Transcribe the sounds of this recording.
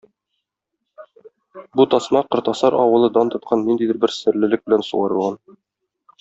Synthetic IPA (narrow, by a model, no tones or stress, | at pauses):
but̪ɒsmɑqɤ̆ɾt̪ɑsɑɾʔɒwɤ̆lˠɤd̪ɑnt̪ɤ̆t̪̚qʰɑnːind̪id̪ɘɾbɘɾsɘ̆ɾlɘ̆lɘk̚bɘ̆lænsṵʁɑɾɤ̆lˠʁɑn